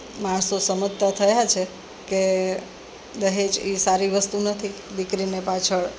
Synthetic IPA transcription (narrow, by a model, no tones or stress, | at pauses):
maɳsosəmut̪ːət̪ʰəjat͡ʃʰe | ke | d̪əɦed͡ʒisaɾiʋəst̪unət̪ʰid̪ikɾinepat͡ʃʰəɭ